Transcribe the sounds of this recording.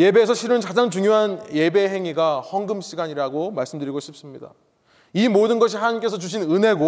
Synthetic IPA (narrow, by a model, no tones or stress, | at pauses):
je̞be̞ːsʰʌɕʰiɾɯnkad͡ʑaŋt͡ɕuŋjoɦanje̞be̞ɦe̞ŋiɡahʌŋɡɯmɕʰiɡaɲiɾaɡomaɭs͈ɯmdɯɾiɡoɕʰip̚s͈ɯmɲida̰ | imodɯnɡʌɕ̬ʰihanaɲimk͈e̞sʰʌt͡ɕuɕ̬ʰinɯne̞ɡo